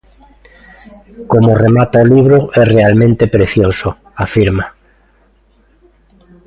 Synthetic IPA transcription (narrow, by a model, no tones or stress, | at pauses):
komoremat̪aoliβ̞ɾoʔɛrealmẽnt̪epɾeθjoso | afiɾma